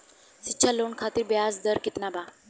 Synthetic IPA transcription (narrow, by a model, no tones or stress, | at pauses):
sitːɕʰalonkʰat̪iːɾbjad͡zd̪əɾkit̪naba